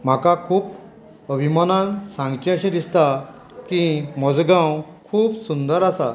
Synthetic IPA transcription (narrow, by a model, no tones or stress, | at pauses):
m̤akakʰuːp | əbʱimanãnsãŋɡt͡ɕĩə̃ɕẽd̪ist̪a | kĩmɔd͡zɡãwkʰuːpsund̪əɾasa̰